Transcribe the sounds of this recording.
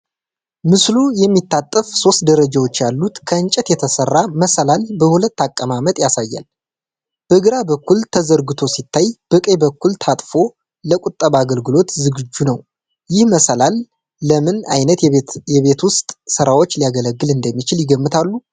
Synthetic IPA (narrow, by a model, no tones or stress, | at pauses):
mɨslujɛmːit̪ːat̪ʼːəfso̞st̪̚d̪əɾəd͡ʒawo̞t͡ʃːjalːut̪kʰəɨnt͡ʃʼɛt̪jɛt̪ʰəsərːaməsəlalbəhulət̪ːakʼːəmamət̪ʼjasajːa̰l | b̥əɨɡɨɾabəkːult̪ʰəzəɾɡɨt̪ʰo̞sit̪ʰːajb̥ɨkʼebəkːult̪ʰat̪ʼfo̞ | ləkʷʼut̪ʼːəβaɡəlɡɨlo̞t̪zɨɡɨd͡ʒːunəw | jɪhməsəlalː | əmɨna̰jnət̪jɛβe̞t̪wʊst̪ʼsɨɾawo̞t͡ʃːlijaɡələɡːɨlɨnd̪əmːit͡ʃɪljɪɡəmːɨt̪ʰalːu